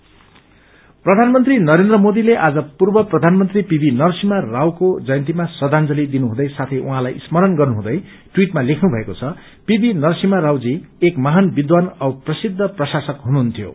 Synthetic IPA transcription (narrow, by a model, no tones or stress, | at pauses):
prʌd̪ʱanmʌnt̪rinʌɾend̪rʌmod̪ileʔad͡zʌpurbʌprʌd̪ʱanmʌnt̪ripibinʌrsimarawkod͡zʌjʌnt̪̬imasʌd̪ʱand͡zʌlid̪inuɦũd̪ʌjsat̪ʰʌjʔuɦãlajismʌɾʌnɡʌrnuɦũd̪ʌj | ʈwiʈmalekʰnubʱʌekot͡sʰʌ | pibinʌrsimaɾawd͡ziekmaɦanbid̪wanʌwprʌsid̪ʱːʌprʌsasʌkɦunuɦunt̪ʰjo̰